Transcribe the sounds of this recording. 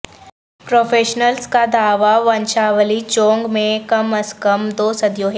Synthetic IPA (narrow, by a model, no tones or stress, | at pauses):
pɾoːfʰeːʃnəlskad̪ʱaːʋaʋɐ̃nʃaːʋəlit͡ʃõːŋɡmẽkɐməskəmd̪oːsɐd̪ijõːɦe